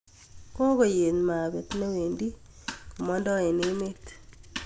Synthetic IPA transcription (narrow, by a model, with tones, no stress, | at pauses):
kɔ˦ɡo˦je˨nma˨bɛ˨t̪ne˦we˨ndi˦ | ku˨mɔ˦ndɔ˦ɛ˨nɪ˦mɪ˦t̪